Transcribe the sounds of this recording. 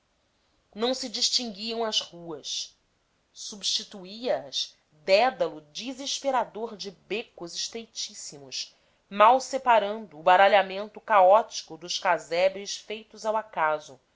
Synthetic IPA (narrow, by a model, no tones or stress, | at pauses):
nɐ̃w̃sid͡ʒiʃt͡ʃĩŋɡiɐ̃w̃ɐzhuɐs | subʃt͡ʃit̪uiɐɐz | d̪ɛd̪ɐlʊd͡ʒiziʃpeɾad̪oɾd͡ʒɪbekʊziʃt̪ɾejt͡ʃisimʊʃ | mawsepaɾɐ̃nd̪ʊːbaɾaʎamẽnt̪ʊkaɔt͡ʃi̥kʊd̪ʊʃkazɛbɾɪʃfejt̪ʊzawakazʊ